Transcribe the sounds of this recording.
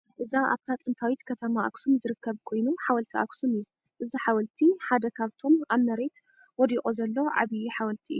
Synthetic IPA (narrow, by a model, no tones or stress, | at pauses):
ʔɨzaʔa̰βt̪ʰat̪ʼɨnt̪ʰawit̪kʰɐt̪ʰɐmaʔa̰ksumzɨɾɨkʰːɐβkʰo̞jnuħawɐlt̪ʰiʔa̰ksumɨjːu | ʔɨziħawɐlt̪ʰiħad̪ɐkʰaβt̪ʰo̞maβmɐɾe̞t̪ | wɔd̪iʔʼozɐlːoʕa̰βijiħawɐlt̪ʰiʔɨ̰ju